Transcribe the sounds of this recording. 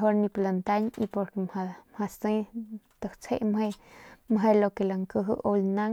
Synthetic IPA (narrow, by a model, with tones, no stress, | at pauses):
ɦo˦ɾnĩ˧plant̪a˦ɲi˧po˧ɾkemhamha˧sẽ˦t̪ə˨ht͡sʰḛ˦ʔmɦe˧mɦe˧lokelaŋkə˧ɦɨ˦ʔo˧lna˦ŋ